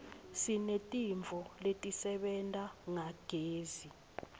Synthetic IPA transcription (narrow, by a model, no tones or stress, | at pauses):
sinetʼiɱvʱɔletʼisɛɓɛntʼaŋaɡ̥ʱeːzi